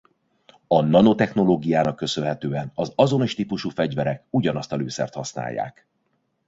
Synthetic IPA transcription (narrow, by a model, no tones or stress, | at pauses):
ɒnɒno̞t̪ɛxno̞loːɡijaːnɒkːø̞sø̞nɦɛt̪øːɛnɒzɒzo̞noʃt̪ipuʃuːfɛɟvɛɾɛkuɟɒnɒst̪ɒløːsɛ̰rt̪hɒsna̰ːjːa̰ːk